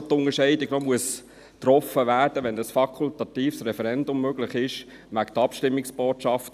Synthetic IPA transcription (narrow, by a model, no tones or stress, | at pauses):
t̪ʊŋəʃɛɪdɪɡnomuəs | t̪ɾɔfəʋæːɾd̥əʋɛndɑsfɑkʰʊltɑtiːfsɾɛfɛɾɛndʊmːøɡlɪχɪʃ | ʋæktɑpʃtɪmːɪksb̥oːtʃɑft